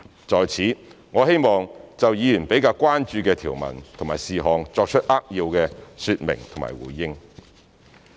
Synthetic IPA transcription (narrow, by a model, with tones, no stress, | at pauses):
t͡sɔː˨˧jt͡sʰiː˨˥ | ŋɔː˨˧he˥jmɔː˨ŋt͡sɐ˨wjiː˨˧jyː˨˩npe˨˥jkaː˧wkʷaː˥nt͡ʃyː˧kɛː˧t̪ʰiː˨˩wmɐ̰˨˩nt̪ʰo˨˩ŋmaː˨˩jsiː˨ɦɔː˨ŋt͡sɔː˧k̚t͡ʃʰə˥t̚ʔaː˥k̚jiː˧wkɛː˧syː˧t̚mɪ̰˨˩ŋt̪ʰŋma̰ː˨˩jwṵː˨˩jjɪ˥ŋ